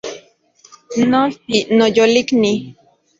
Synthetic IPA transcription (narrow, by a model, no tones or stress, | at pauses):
noɬtinojolikni